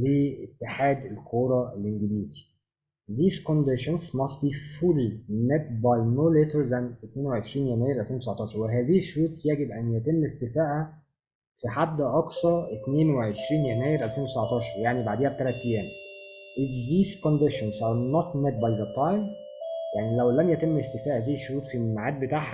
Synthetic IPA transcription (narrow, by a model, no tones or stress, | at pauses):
leːet̪ːeħaːd̪elkʰoːɾˤɑelʔeŋɡeliːzi̥ | ðiːzkond̪eʃonzmɑst̪̚biːfulimet̪̚bɑjnoːlet̪əɾðænʔet̪neːnweʕeʃɾiːnjænæːjeɾʔælfeːnwt̪esʕɑt̪ˤɑːʃɑɾˤweɦæːziːheʃːoɾuːt̪jæɡebʔænjæt̪emːest̪ɪfæːʔæ | fiħad̪ːæʔɑksˤɑɾʔet̪neːnweʕeʃɾiːnjænæːjeɾʔælfeːnwt̪esabʕɑt̪ˤɑːʃɑɾˤjaʕnibaʕd̪eːhæb̚t̪ælæt̪ːejæːmʔɪfðiːzkond̪eʃonzʔɑɾnɔt̪met̪̚bajðæt̪ɑjm | jaʕnilæwlæmjæt̪emːest̪efæːʔæzæjeʃːoɾuːt̪fimaʕaːd̪̚bet̪aːʕħæ